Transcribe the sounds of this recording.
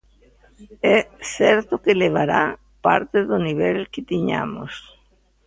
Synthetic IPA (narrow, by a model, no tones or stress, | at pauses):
ɛsɛɾt̪ʊkeleβ̞aɾa | pa̰ɾt̪ɪðʊniβ̞ɛlkɪt̪iɲa̰mo̰s